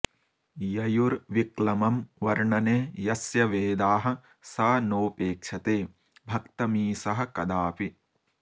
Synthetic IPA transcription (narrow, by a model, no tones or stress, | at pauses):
jɐjuɾʋiklɐmɐmʋɐɾɳɐneːjɐsjɐʋeːd̪aːɦɐ̆ | sɐɐnoːpeːkʂɐt̪eː | bʱɐkt̪ɐmiːsɐɦɐ̆kɐd̪aːpi